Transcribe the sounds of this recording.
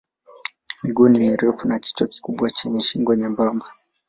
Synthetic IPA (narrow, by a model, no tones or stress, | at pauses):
miɡunimiɾɛfunat͡ʃi̥tɔki̥kuɓwat͡ʃɛɲɛʃiŋɡɔɲambama